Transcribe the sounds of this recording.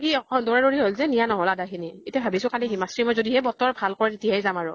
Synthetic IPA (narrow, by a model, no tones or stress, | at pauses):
kiɔɔdoɹaɹoɹiɦolzɛnijanɔɦɔladakʰinietiabʱabisʊ̃kaliɦimasɹimojzodiɦɛbɔtɔɹbʱalkɔɹɛtetijajzamaɹʊ